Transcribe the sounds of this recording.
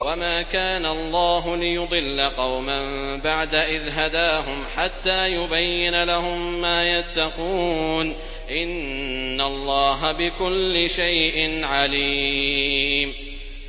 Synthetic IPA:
wamaːkaːnaɑlˤːɑːɦʊlɪjʊd̪ˤɨlːaqɑwmam | baʕd̪aʔɪðɦad̪aːɦʊmħat̪ːaːjʊbajːɪnalaɦʊmːaːjat̪ːɑquːn | ʔɪnː | alˤːɑːɦabɪkʊlːɪʃajʔɪnʕaliː | m

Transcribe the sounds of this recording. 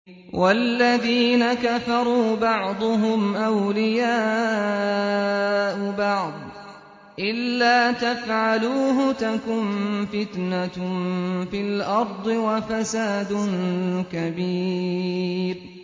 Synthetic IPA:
wʔalːaðiːnakafɑɾˤuːbɑʕd̪ˤʊɦʊmʔawlɪjaː | ʔʊbɑʕd̪ˤ | ʔɪlːaːt̪afʕaluːɦʊt̪akʊnfɪt̪na | fɪlʔɑɾˤd̪ˤɨwafasaːd̪ʊnkabiː | ɾ

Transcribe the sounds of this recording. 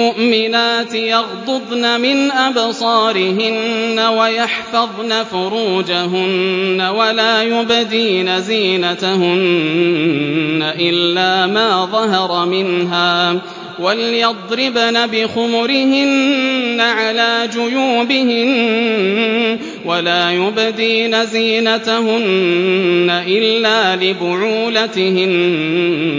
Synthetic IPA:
ʊʔmɪnaːt̪ɪjɑɣd̪ʊd̪ˤnamɪnʔabsˤɑːɾɪɦɪnːawajɑħfɑðˤnafʊɾuːd͡ʒaɦʊnːawalaːjʊbd̪iːnaziːnat̪ahʊn | aʔɪlːaːmaːðˤɑɦɑɾˤɑmɪnɦaː | walɪjɑd̪ˤɾɪbnabɪxʊmʊɾɪhɪnːaʕalaːd͡ʒʊjuːbɪhɪn | walaːjʊbd̪iːnaziːnat̪aɦʊnː | aʔɪlːaːlɪbʊʕuːlat̪ɪhɪn

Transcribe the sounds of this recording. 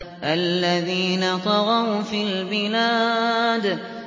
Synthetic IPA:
ʔalːaðiːnat̪ˤɑɣɑwfiːlbɪlaːd̪

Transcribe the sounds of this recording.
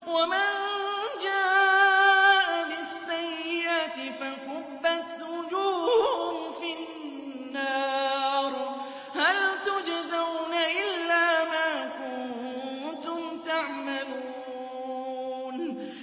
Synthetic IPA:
wamand͡ʒaː | ʔabɪsːajːɪʔat̪ɪfaqʊbːat̪wʊd͡ʒuːhʊmfi | nː | ɑːɾ | halt̪ʊd͡ʒazawnaʔɪlːaːmaːkʊnnt̪ʊmt̪aʕmalu | n

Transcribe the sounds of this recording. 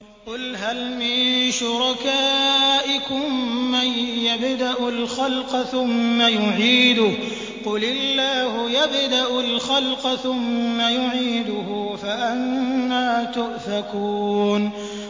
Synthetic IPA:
qʊlɦalmɪnʃʊɾˤɑkaːʔɪkʊmːajːabd̪aʔʊlxɑlqɑθʊmːajʊʕiːd̪ʊh | qʊlɪlːaːhʊjabd̪aʔʊlxɑlqɑθʊmːajʊʕiːd̪ʊhʊfaʔanːaːt̪ʊʔfakuːn

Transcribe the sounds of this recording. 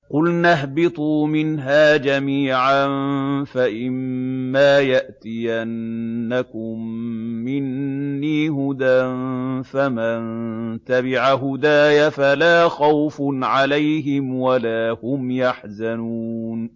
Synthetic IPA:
qʊlnaɦbɪt̪ˤuːmɪnɦaːd͡ʒamiːʕanfaʔɪmːaːjaʔt̪ɪjanːakʊmːɪnːiːɦʊd̪anfamant̪abɪʕaɦʊd̪aːjafalaːxawfnʕalajɦɪmwalaːhʊmjaħzanuːn

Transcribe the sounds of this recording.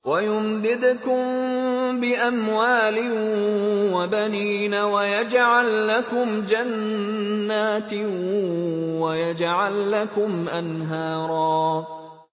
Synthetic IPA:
wajʊmd̪ɪd̪kʊmbɪʔamwaːlɪ | wabaniːnawajad͡ʒʕalːakʊmd͡ʒanː | aːt̪ | wajad͡ʒʕalːakʊmʔanɦaːɾˤɑː

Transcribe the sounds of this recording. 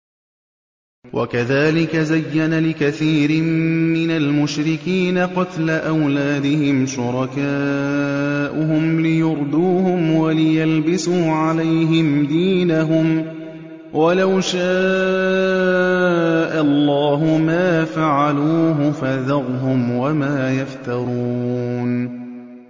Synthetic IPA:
wʔa̰kaðaːlɪkazajːanalɪkaθiːɾɪmːɪnalmʊʃɾɪkiːnaqɑt̪laʔawlaːd̪ɪhɪmʃʊɾˤɑkaː | ʔʊɦʊmlɪjʊɾˤd̪uːhʊmwalɪjalbɪsuːʕalajɦɪmd̪iːnaɦʊm | walawʃaː | ʔalˤːaːɦʊmaːfaʕaluːɦʊfaðɑɣɦʊmwamaːjaft̪ɑɾˤuːn

